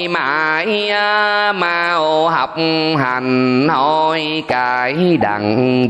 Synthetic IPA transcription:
maː˨˩jʔəː˧maː˧ʔo˧ɦa˨˩p̚ɦa˨˩nhɔ˧˩j | kaː˧˩jɗa˨˩ŋ˧

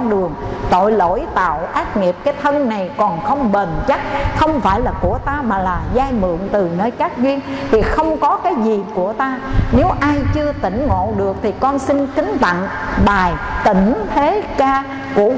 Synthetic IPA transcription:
nɗɨ˨˩əŋt̪o̰˧˨jlo̰˧˥˨jt̪a̰ː˧˨wʔaː˦˥t̚ŋi˨˩əp̚kaː˨˦jt̪ʰə˧nna˨˩jkɔ˨˩nxə˧wŋ͡mɓe˨˩nt͡ɕa˦˥k̚xə˧wŋ͡mfaː˧˩jlaː˨˩ku˧˩ət̪aː˧maː˨˩laː˨˩zaː˧jmɨ̰˧˨əŋt̪ɨ˨˩nəː˧jkaː˦˥k̚zwi˧ənt̪ʰi˨˩xə˧wŋ͡mkɔ˨˦kaː˨˦jzi˨˩ku˧˩ət̪aː˧ne˨˦wʔaː˧jt͡ɕɨ˧ət̪ï˧˩ŋ̟ŋo̰˧˨ɗɨ˨˩ək̚t̪ʰi˨˩kɔ˧nsï˧nkï˨˦ŋ̟t̪a̰˧˨ŋ | ɓaː˨˩jt̪ḭ̈˧˩ŋ̟t̪ʰe˨˦kaː˧ | kṵ˧˩ə

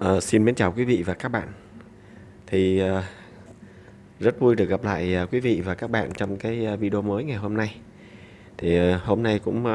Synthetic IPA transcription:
ʔəː˨˩si˧nme˨˦nt͡ɕaː˨˩wkwi˨˦vḭ˧˨vaː˨˩kaː˦˥k̚ɓa̰ː˧˨n | t̪ʰi˨˩əː˨˩ | zə˦˥t̚vu˧jɗɨ˨˩ək̚a˨˩p̚la̰ː˧˨jəː˨˩kwi˨˦vḭ˧˨vaː˨˩kaː˦˥k̚ɓa̰ː˧˨nt͡ɕɔ˧wŋ͡mkaː˨˦jvi˧ɗə˧o˧məː˨˦jŋa˨˩jɦo˧mna˧j | t̪ʰi˨˩ho˧mna˧jkʊ̰˧˥ŋ͡m

